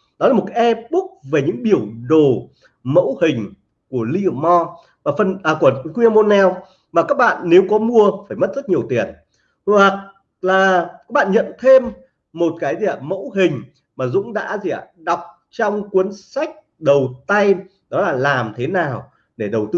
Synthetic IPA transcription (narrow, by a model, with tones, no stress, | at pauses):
ɗɔ˨˦laː˨˩mo˨˩ka˨˦ʔɛ˧ɓʊ˦˥k̚ve˨˩ɲɨ̰˧˥ŋɓi˧˩əwɗo˨˩ | mə̰˧˥whï˨˩ŋ̟ | ku˧˩əli˧ʔmɔ˧ | maː˨˩fə˧˩nː˨˩ku˧˩əkwi˧a˧mo˧nɛ˧w | maː˨˩kaː˦˥k̚ɓa̰ː˧˨nːe˨˦wkɔ˨˦mu˧əfaː˧˩jmə˦˥t̚z̥ə˦˥t̚ɲi˨˩əwt̪i˨˩ən | wa˨˩k̚ | laː˨˩ka˦˥k̚ɓa̰ː˧˨ɲə̰˧˨nt̪ʰe˧mː | o˨˩t̚kaː˨˦jzi˨a˧˨˩mə̰˧˥wɦï˨˩ŋ̟ | maː˨˩zʊ̰˧˥ŋ͡mɗa̰ː˧˥zi˨a̰ː˧˩ɗa˨˩wk͡p̚ | t͡ɕɔ˧wŋ͡mkwi˨˦ənsa˦˥jk̟̚ | ɗə˨˩wt̪a˧j | ɗɔ˨˦laː˨˩laː˨˩mt̪ʰe˨˦naː˨˩w | ɗe˧˩ɗə˨˩wt̪ɨ˧